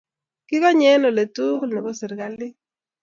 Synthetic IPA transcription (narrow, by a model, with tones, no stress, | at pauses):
kɪ˦kɔ˦ɲɛ˦no˨le˨tu˦knɛ˨ko˦se˨ɾka˦lɪ˦